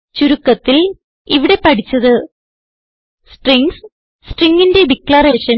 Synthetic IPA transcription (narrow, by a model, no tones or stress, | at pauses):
t͡ɕuɾukːɐt̪ːil | iʋiɽe̞pɐʈit͡ɕːɐðɨ | sʈriŋs | sʈriŋɡinde̞bikːlɐreʂɐn